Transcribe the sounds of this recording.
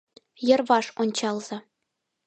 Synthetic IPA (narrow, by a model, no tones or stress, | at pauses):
jɤ̆rʋɑʂonʲt͡ɕɑlˠzɤ̆